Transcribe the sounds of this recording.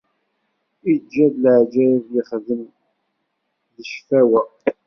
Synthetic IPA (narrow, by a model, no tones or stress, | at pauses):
id͡ʒːæðlʕd͡ʒævjɪχðən | ðəʃfæwæ